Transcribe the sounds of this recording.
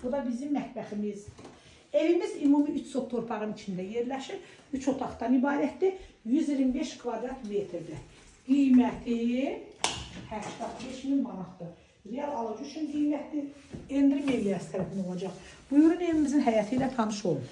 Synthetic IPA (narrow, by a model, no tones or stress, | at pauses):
b̥ud̪ɑbizimːæt̪bæximiz | e̞vimizimumiyt͡ʃsopt̪ʰo̞ɾpʰɑʁɯnit͡ʃʰind̪æje̞ɾlæʃiɾ | yt͡ʃʰo̞t̪ʰɑχt̪ɑnibɑːɾæt̪d̪ijyziɾimbe̞ʃkʰvɑd̪ɾɑnt̪met̪ʰɾd̪æ | ɡ̥ijmæt̪ʰi | hæɾkʰɡ̪ɑt̪ʰbeʃmilmɑnɑt̪d̪ɯ | ɾejɑlˠɑlˠɑd͡ʒuyt͡ʃʰynɡijmæt̪d̪iend̪ɾimevlijɑsi̥t̪ʰæɾæfino̞lˠɑd͡ʒɑχb̥ujuɾune̞vimizinɦæjɑt̪ʰilæt̪ʰɑnɯʃo̞lˠuɾ